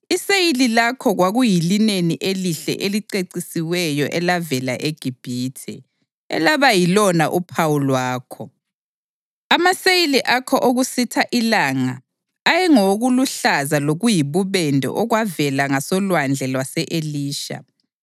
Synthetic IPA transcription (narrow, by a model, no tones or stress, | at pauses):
isejililakʰɔɣwaɣujilineniʔeliɬɛ̰ʔeliǀeǀisiwɛjɔʔɛlavɛlaʔeɡ̥ʱib̥ʱiːtʰɛ | ɛ̰laβajilɔnaʔupʰawulwaːkʰɔ | amasejiliʔakʰɔʔoɣusitʰaʔilaŋaː | jɛŋoɣuluɬazaloɣujiβuβɛndʱɔ̰ʔɔɣwavɛlaŋasɔlwand͡ɮʱɛlwasɛʔeliːʃa̰